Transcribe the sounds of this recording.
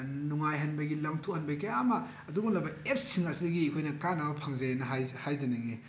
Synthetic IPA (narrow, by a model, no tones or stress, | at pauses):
nuŋajɦɐnbɐɡilaŋtʰuhɐnbɐjkɐjamɐː | duɡunlɐbɐep̚siŋɐsidɐɡiɐkʰojnɐkanabɐpʰaŋzajenɐɦajhajzɐnɐŋi